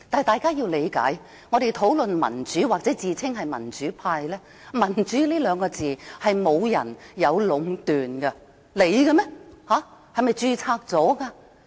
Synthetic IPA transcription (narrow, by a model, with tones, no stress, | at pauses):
t̪aː˨jt̪aː˨jkaː˥ji˧wle˨˧jka̰ː˨˥j | ŋɔː˨˧ɾe˨jt̪ʰo˨˥wlɵ˨nmɐ̰˨˩nt͡ʃyː˨˥wa˨k̚t͡sɛː˨˥t͡siː˨t͡sʰɪ˥ŋɦɐ˨jmɐ̰˨˩nt͡ʃyː˨˥pʰaː˧jlɛː˥ | mɐ˨˩nt͡ʃyː˨˥liː˥lœː˨˧ŋkɔː˧t͡siː˨hɐ˨jmo˨˧wjɐ̰˨˩njɐ˨˧wlʊ˨˥ŋt̪yː˨nɡɐ˧ | le˨˧jɡɐ˧mɛ˥haː˨˥hɐ˨jmɐ˨jt͡ʃyː˧t͡sʰaː˧k̚t͡sɔː˨˥kaː˧